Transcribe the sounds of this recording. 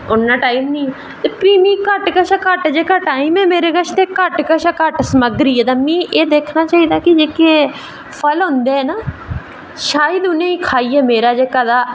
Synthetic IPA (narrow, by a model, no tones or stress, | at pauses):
ʊnːãːʈaːimnĩː | t̪eːpɾiːmĩːkəʈkəʃaːkəʈd͡ʒeːkaʈaːimɛːmeːɾeːɡəʃt̪eːkəʈkəʃaːkəʈsəməɡɾiːɛːd̪amĩːʔeːd̪eːkʰnaːt͡ʃaːiːd̪aːkɪd͡ʒeːkeː | pʰəlɦõːnd̪eɦɛːnaː | ʃaːjəd̪ʊnẽːiːkʰaːiːɛːmeːɾaːd͡ʒeːkaːd̪aː